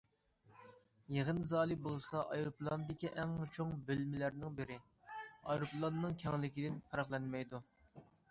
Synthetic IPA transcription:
jeʁənzɑːlˠibolˠsɑʔɑjɾuplˠɑnd̪ɪkʲiʔɛŋt͡ʃʰoŋbylmɪlæɾnɪŋbɪɾɪ | ɑjɾupʰlˠɑnːɨŋkʲʰɛŋlɪkʲid̪ɪnpʰɑɾɑχlˠɛnmɛjd̪u

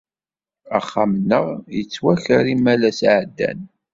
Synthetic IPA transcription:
əχːamənːəʁjət͡sːwæçəɾimːælæsʕəd̪ːæ̰n

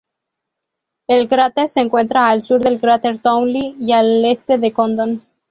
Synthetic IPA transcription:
elkɾat̪eɾseŋkwe̞nt̪ɾaːlsuɾðe̞lkɾat̪eɾt̪owliiale̞st̪eðekond̪on

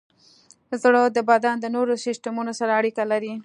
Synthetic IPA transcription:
zɽəd̪əbad̪ɑnd̪ənoɾosɪsʈamunosaɾaːɽikalaɾi

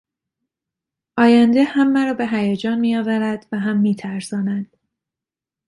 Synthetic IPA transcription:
ʔɒːjænd̪e̞hæmːæɾɒːbe̞ɦæjæd͡ʒɒːnmijɒːvæɾæd̪̥væɦæmːiːt̪ʰæɾsɒːnæd̪̥

